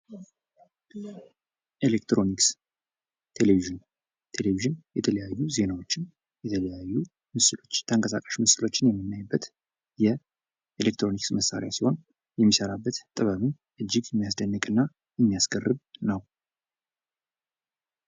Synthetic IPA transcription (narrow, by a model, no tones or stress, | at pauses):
ʔelekt̪ɾo̞niks | t̪ʰe̞leviʒɨn | t̪ʰe̞leviʒɨnjɛt̪ʰələjajːuze̞nawo̞t͡ʃːɪn | jɛt̪ʰələjajːu | mɨslot͡ʃːt̪ʰəŋkʼəsa̰kʼəʃmɨsɨlo̞t͡ʃːɪnjɛmːɨnːajbːət̪ | jɛ | ʔelek̚t̪ʰɾo̞niksməsːa̰ɾj̰asiho̞n | jɛmːisəɾabːət̪t̪ʼɨβəlun | ʔɨd͡ʒːɪɡjɛmːijasd̪ənːɨkʼɨnːa | jɛmːijasɡərːɨβnəw